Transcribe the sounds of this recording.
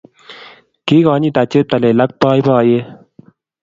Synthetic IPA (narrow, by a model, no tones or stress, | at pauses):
kiːɡɑːniːt̪at͡ɕep̚t̪ɐlelɐk̚pɑːibɑːje